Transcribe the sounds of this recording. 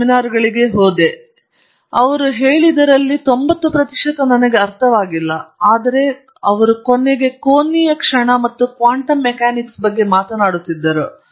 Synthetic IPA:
inaːɾuɡɐɭiɡe̞ɦoːd̪e̞ | ɐʋɐɾuɦeːɭid̪ɐɾɐlːit̪o̞mbɐt̪ːupɾɐt̪iʂɐt̪ɐnɐnɐɡe̞ɐɾt̪ʰɐʋaːɡilːɐaːd̪ɐɾe̞ | ɐʋɐɾukonːeɡe̞koːnːiːjɐkʂɐɳɐmɐt̪ːukʋaːɳʈɐmːɛkaːniksbɐɡːe̞maːt̪ɐnaːɽut̪ːid̪ːɐɾu

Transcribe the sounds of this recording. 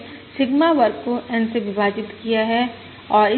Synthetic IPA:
sɪɡmaʋɐɾpoʔɛnseʋɪʋaːd͡ʒɪt̪kijaɦɛ | ɔːɾɪ

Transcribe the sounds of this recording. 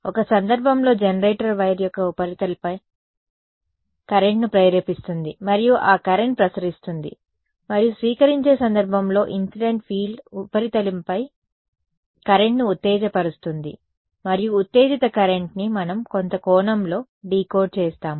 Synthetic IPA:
ɔkɐsɐnd̪ɐɾbʱɐmlo̞ːd͡ʒenɐɾeːʈɐɾʋɐjɾjɔkːɐupɐɾit̪ɐlpɐj | kɐɾeɳʈnupɾɐjɾɐpist̪und̪imɐɾijuʔaːkɐɾe̞ɳʈ̚pɾɐsɐɾist̪und̪ḭ | mɐɾijusʋiːkɐɾiɲt͡ʃe̞ːsɐnd̪ɐɾbʱɐmlo̞ːʔinsiɖe̞ɳʈfʰiːupɐɾit̪ɐlimpɐj | kɐɾeɳʈniut̪ːeːd͡ʒɐpɐɾust̪und̪ḭ | mɐɾijuːt̪ːeːd͡ʒit̪ɐkɐɾe̞ɳʈnimɐnɐmko̞nt̪ɐkɔːnɐmlo̞ː | ɖiːko̞ːɖ̚t͡ʃeːst̪aːm

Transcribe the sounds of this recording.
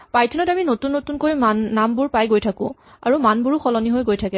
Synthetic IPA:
pajtʰɔnɔtaminotunːotunkojmanːambuɹpajɡojtʰakʊ̰̃ | a̰ɹumanbuɹuxʰɔlɔniɦojɡojtʰakɛ

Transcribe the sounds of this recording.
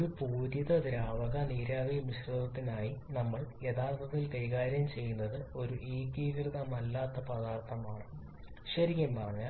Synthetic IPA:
oɾupuːdjiðɐd̪ɾaːʋɐɣɐniːɾaːbijmiɕrɐðɐt̪ːinaːjinɐmːɐɭe̞d̪aːrt̪ʰɐt̪ːilkɐjɣaːɾjɐmt͡ɕe̞jːunːɐðɨo̞ɾuʔiːɡiːkrɨðɐmɐlːaːt̪ːɐpɐðaːrt̪ʰɐmaːɳɨ | ɕɐɾikʲːɐmbaːrɐɲːaː

